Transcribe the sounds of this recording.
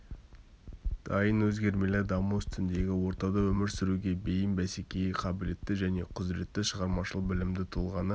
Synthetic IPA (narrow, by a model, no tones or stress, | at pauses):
d̪̥ɑjənwɵzɡʲe̞ɾme̞leɾd̪ɑmuʏst̪ɪnd̪e̞ɡʲɪwo̞ɾt̪ɑd̪ɑwɵmɪɾsɪɾuɡʲe̞be̞jɪmbæse̞kʲe̞jɪqʰɑbɪle̞t̪ːɪʒæne̞qʰʊzɾe̞t̪ːɪʃəʁɑɾmɑʃəlˠəqbɪlɪmd̪ɪt̪ʰʊlˠʁɑnə